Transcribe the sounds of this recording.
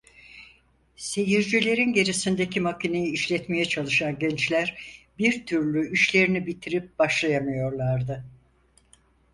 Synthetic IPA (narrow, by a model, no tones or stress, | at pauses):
se̞jiɾd͡ʒilʲe̞ɾinɟe̞ɾisind̪e̞cʰimakʰine̞jiːʃlʲɛt̪me̞jɛt͡ʃʰalˠɯʃanɟɛnt͡ʃlʲæɾbiɾt̪ʰyɾlʲyiʃlʲe̞ɾinibit̪ʰiɾip̚b̥aʃlˠajamɯjo̞ɾlˠaɾd̪ɯ